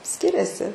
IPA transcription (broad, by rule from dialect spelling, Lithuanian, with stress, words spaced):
ˈsʲkʲɪrʲɛsʲɪ